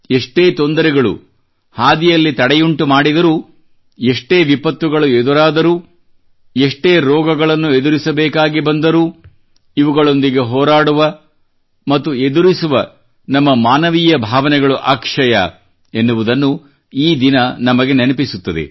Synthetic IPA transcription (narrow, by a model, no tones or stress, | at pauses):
eʂʈeːt̪o̞nd̪ɐɾɛɡɐɭṵ | haːd̪ijɐlːit̪ɐɽɛjuɳʈumaːɽid̪ɐɾuː | eʂʈeːʋipɐt̪ʋuɡɐɭued̪uɾaːd̪ɐɾuː | eʂʈeːɾɔːɡɐɡɐɭɐnːued̪uɾisɐbɛːkaːɡibɐnd̪ɐɾuː | iʋuɡɐɭo̞nd̪iɡe̞ɦɔːɾaːɽuʋɐ | mɐt̪ːue̞d̪uɾisuʋɐ | nɐmːɐmaːnɐʋiːjɐbʱaːʋɐnɛɡɐɭuʔa̰ːkʂɐjɐ̰ | enːuʋud̪ɐnːu | iːd̪inɐnɐmɐɡe̞nenɐpisut̪ːɐd̪ḛ